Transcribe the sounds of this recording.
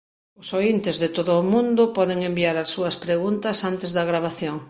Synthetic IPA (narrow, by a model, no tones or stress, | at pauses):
ʊsoint̪ɪzðɪt̪oðʊːmũnd̪ʊpɔðeŋembiaɾɐsːuɐspɾeɣunt̪ɐsant̪ɪzðɐɣɾaβ̞aθjoŋ